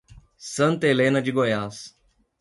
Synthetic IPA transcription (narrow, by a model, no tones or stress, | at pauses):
sɐ̃nt̪ɐelẽnɐd͡ʒɪɡojas